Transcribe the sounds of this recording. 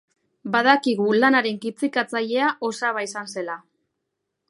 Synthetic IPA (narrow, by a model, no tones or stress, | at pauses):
baðakiɣ̞ulanaɾe̞ŋkit͡sikat͡saʎe̞aʔo̞saβaisanse̞la